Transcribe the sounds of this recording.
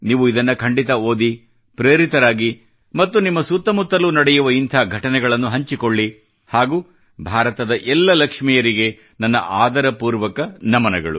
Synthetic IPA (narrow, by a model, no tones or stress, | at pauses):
niːʋuid̪ɐnːɐkʰɐɳɖit̪ɐoːd̪i | pɾeːɾit̪ɐɾaːɡi | mɐt̪ːunimːɐsut̪ːɐmut̪ːɐlunɐɽɛjuʋɐint̪ʰɐɡʱɐʈɐnɛɡɐɭɐnːuɦɐɲt͡ʃikoɭːi | haːɡuː | bʱaːɾɐt̪ɐd̪ɐʔɛlːɐlɐkʂmijɐɾiɡe̞ | nɐnːɐ̰ʔaːd̪ɐɾɐpuːɾʋɐkɐnɐmɐnɛɡɐɭṵ